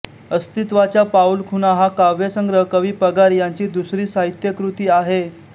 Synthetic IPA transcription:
əst̪it̪ʋat͡ɕjapaulkʰunaɦakaʋjesə̃ŋɡɾəkəʋiːpəɡaɾjaɲt͡ɕiːd̪usɾiːsaɦit̪jəkɾut̪iːaɦe

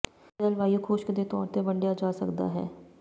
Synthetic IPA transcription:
d̪əlʋaːijukʰoːʃkd̪et̪ɔ̰ːɾt̪ebəɳɖjad͡ʒaːsəkd̪a̰ɦɛ̰ː

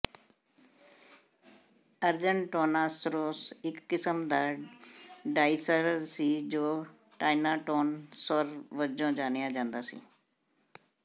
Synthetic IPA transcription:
əɾd͡ʒəɳʈoːnaːsɾoːsɪkːɪsəmd̪aː | ɖaːɪsəɾsiːd͡ʒoː | ʈaːɪnaːʈoːnsɔɾʋəd͡ʒõːd͡ʒaːnɪjãːd͡ʒãːnd̪aːsḭː

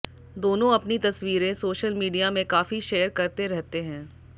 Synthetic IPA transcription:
d̪oːnõɐpnit̪ɐsʋiːɾẽsoːʃəlmiːɖijamẽkaːfiʃeːəɾkɐɾt̪eɾɛɦt̪eɦɛ̃ː

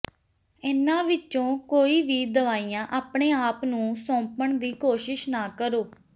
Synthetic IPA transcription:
ɪnãːʋɪt͡ʃõːkoːiːʋiːd̪əʋaːijãːʔaːpɳeːaːpnũːsɔ̃ːpəɳd̪iːkoːʃɪʃnaːkəɾoː

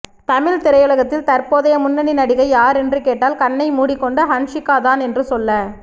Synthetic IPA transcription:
t̪ɐmɪlt̪ɪɾɐjɯlɐɣɐt̪ːɪlt̪ɐrpoːðɐjɐmʊnːɐninɐɽɪɣɐɪjaːɾɛndrɯkeːʈːaːlkɐnːɐɪmuːɽɪkːɔɳɖɐɦɐɳʂɪkːaːðaːnɛndrɯsɔlːɐ

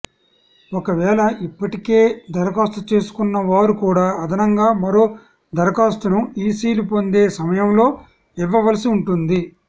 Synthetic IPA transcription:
ɔkɐʋɛːlɐʔipːɐʈike̞ːd̪ɐɾɐkaːst̪ut͡ʃe̞ːsu̥kunːɐʋaːɾukuːɽaːɐd̪ɐnɐŋɡaːmɐɾo̞ː | d̪ʱɐɾɐkaːst̪ɐnuiːsiːlupo̞nd̪e̞ːsɐmɐjɐmlo̞ː | iʋːɐʋɐlɐsiuɳʈund̪i

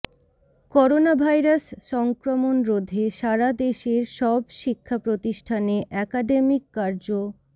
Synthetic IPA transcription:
kɔɾonabʱajɾasʃɔŋkɾomonɾod̪ʱːeʃaɾad̪eʃeɾʃɔbʃikʰːapɾot̪iʃʈʰaneʔɛkaɖemikːaɾd͡ʑo

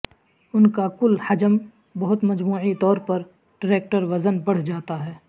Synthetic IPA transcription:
ʊnkakʊlhɐd͡ʒəm | bɐɦʊt̪mɐd͡ʒmuːʕit̪ɔːɾpɐɾ | ɖ̥ɪɾeːk̚ʈəɾʋɐzənbɐɽ̤d͡ʒaːt̪aɦɛː

